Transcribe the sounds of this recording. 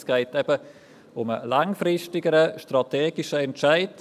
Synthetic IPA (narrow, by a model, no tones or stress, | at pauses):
sɡ̥ɛɪtɛb̥ə | ʊmə̰laŋfrɪʃtɪɡəɾəʃtɾɑtʰeːɡ̥ɪʃəɛnʃaɪd